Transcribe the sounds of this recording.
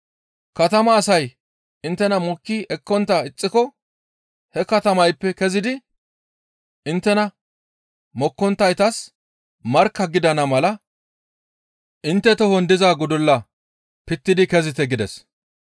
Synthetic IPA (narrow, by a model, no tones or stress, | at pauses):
kɐt̪ɐmɐːsɐj | ɪnt̪ːɛnɐmʊkːɪʔɛkːɔnt̪ːaɪt͡sʼːɪkɔ | hɛkɐt̪ɐmɐjpːɛkɛzɪd̪ɪ | ʔɪnt̪ːɛnɐ | mɔkːɔnt̪ːɐjt̪ɐs | mɐɾkːɐɡɪd̪ɐnɐmɐlɐ | ʔɪnt̪ːɛt̪ɔhɔnd̪ɪzaːɡʊd̪ʊlːɐ | pɪt̪ːɪd̪ɪkɛzɪt̪ɛɡɪd̪ɛs